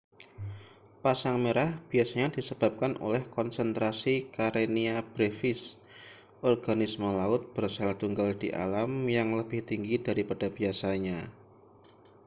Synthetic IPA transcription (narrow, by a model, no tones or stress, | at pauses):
pasaŋmeɾahb̥iasaɲad̥isəb̥a̤p̚kanʔo̰lɛhkɔnsənt̪ɾasikaɾeniab̥ɾefɪs | ʔɔrɡ̥anisməlaʊt̪̚b̥ərsalt̪uŋɡald̥iʔa̰lamjaŋləb̥ɪht̪iŋɡidaɾipad̥ab̥iasaɲa